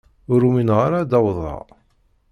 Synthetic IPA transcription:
ʊɾuminʁaɾad̪ɑwðˤɑ̰

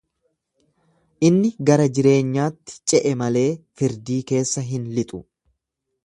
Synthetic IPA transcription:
ʔɪnːɪɡɐɾɐd͡ʒɪɾe̞ːɲːaːt̪ːɪ̥t͡ʃʼɛʔɛmɐle̞ːfɪɾd̪iːke̞ːsːɐɦɪnlɪt̪ʼʊ

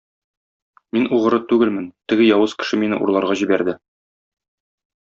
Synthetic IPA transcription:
minuʁɤ̆ɾɤt̪ʉɡɘlmɘnt̪ɘ̆ɡɘjɒwɤz̥kɘ̥̆ʃɘminɘ̰ʔṵɾlˠɑɾʁɑʑibæɾd̪ɘ

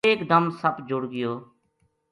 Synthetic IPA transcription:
eːkd̪əmsəbd͡ʒʊɽɡɪjoː

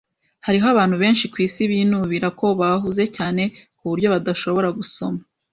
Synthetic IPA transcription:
haɾiɦoaβaːnhuβe̞ːnʃikwiːsiβinuβiːɾako̞βaɦuze̞caːne̞kuβuɾɟo̞βadaʃo̞βo̞ɾaɡuso̞ma

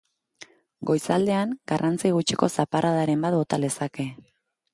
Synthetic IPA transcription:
ɡo̞jsald̪e̞aŋɡ̥arʔant͡siɣ̞ut͡ʃiko̞saparaðaɾe̞mbat̪̚bo̞t̪ale̞sake̞

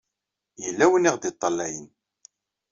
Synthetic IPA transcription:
jəlːæwənːiʁðit̪ˤːɑlːæjən

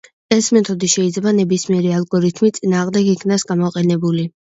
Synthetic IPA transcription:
ɛsmɛt̪ʰɔd̪iʃɛid̪zlɛbanɛbismiɛɾialˠɡɔɾit̪ʰmit̪sʼinaːʁmd̪ɛɡikʰnasɡamɔqʼɛnɛbuli

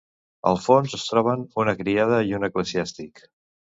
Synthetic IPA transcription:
ə̰lˠfonzəst̪ɾɔβ̞ənunəkɾiað̞əiunəkləziast̪ik

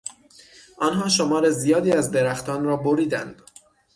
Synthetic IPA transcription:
ʔɒnɦɒːʃomɒːɾe̞zijɒːd̪iːæzd̪e̞ɾæxt̪ɒːnɾɒːboɾiːd̪æ̰nd̪̥

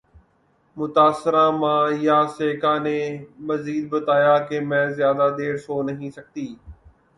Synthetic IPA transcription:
mʊt̪aːsːɪɾãːmãːjaːseːkaːneːməziːd̪̚bət̪aːjaːkemɛ̃ːzɪjaːd̪aːd̪eːɾsoːnəɦĩːsək̚t̪iː

